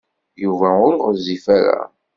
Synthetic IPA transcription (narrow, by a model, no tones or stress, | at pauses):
juvæʊɾʁzifæɾæ̰